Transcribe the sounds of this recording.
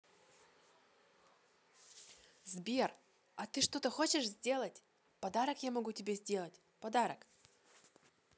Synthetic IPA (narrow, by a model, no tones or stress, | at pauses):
zbʲer | ɐt̪ɨʂt̪o̞t̪əxo̞t͡ɕɪʂzʲdʲe̞lˠətʲ | pɐd̪aɾəkjamɐɡutʲɪbʲezʲdʲe̞lˠətʲ | pɐd̪aɾək